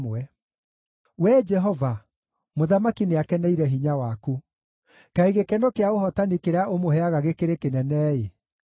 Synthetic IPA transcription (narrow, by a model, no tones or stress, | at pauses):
mwɛ | wɛd͡ʒɛɦɔva | moðamakineakɛnɛiɾɛɦiɲawaku | kaiɣekɛnokeaoɦɔtanikeɾeaʔomohɛaɣaɣekeɾekenɛnɛːe